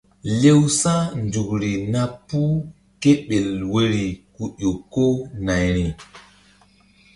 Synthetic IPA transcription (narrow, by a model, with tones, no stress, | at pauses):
le˦wsa˦nd͡ʒu˨kɾi˨na˦pu˦ | ke˦ɓe˨lwe˦ɾi˨ku˨ɗo˨kːo˦na˨jɾi˨